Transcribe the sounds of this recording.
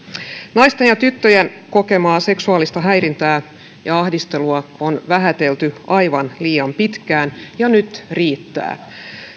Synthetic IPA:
nɑjst̪enjɑt̪yt̪ːøjen | ko̞ke̞mɑːse̞ksuɑːlist̪ɑɦæjrint̪æː | jɑɑhdist̪e̞luɑonʋæɦæt̪e̞lt̪yɑjʋɑnliːɑmpit̪kæːnjɑnyt̪riːt̪ːæ̰ː

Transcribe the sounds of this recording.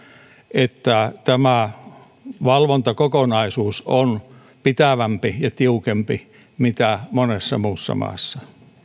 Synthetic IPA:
et̪ːæt̪æmæ | ʋɑlʋont̪ɑkokonɑisuːson | pit̪æʋæmpijɑt̪iukempi | mit̪æmonesːɑmuːsːɑ̰mɑ̰ːsːɑ

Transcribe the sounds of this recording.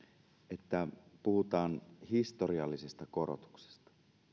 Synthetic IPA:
ʔet̪ːæpuhut̪ɑːnhist̪oriɑlːisest̪ɑko̞ɾo̰t̪u̥kse̥st̪ɑ̥

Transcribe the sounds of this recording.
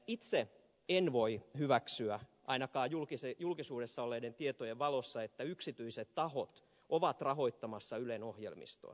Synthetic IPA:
it̪se | enʋoihyʋæksyæʔɑ̰inɑkɑːjulkisejulkisuːdesːɑolːeident̪iet̪ojeʋʋɑlosːɑet̪ːæyksit̪yiset̪tɑhot̪ | ʔoʋɑt̪rɑɦoit̪ːɑmɑsːɑylenohjḛlmḭst̪o̰

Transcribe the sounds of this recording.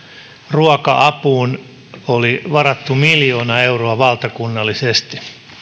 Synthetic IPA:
ruɑkɑʔɑpuːn | oliʋɑrɑt̪ːumiljo̞ːnɑeuroɑʋɑlt̪ɑkunːɑlːisest̪i̥

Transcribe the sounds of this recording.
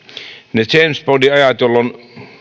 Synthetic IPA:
net͡ʃensbodiɑjɑt̪jolːon

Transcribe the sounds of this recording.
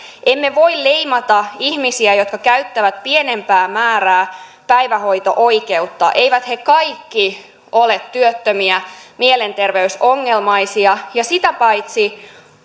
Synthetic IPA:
ʔemːe̞ʋo̞illeimɑt̪ɑihmisiæjo̞t̪kɑkæyt̪ːæʋæt̪piene̞mpæːmæːɾæː | pæiʋæho̞it̪o̰ʔo̞ike̞ut̪ːɑ̰ʔe̞iʋæt̪hekɑjkːi | ʔolet̪tyøt̪ːømiæmiele̞nt̪e̞rʋeyso̞ŋːelmɑisiɑjɑsit̪æpɑit̪si

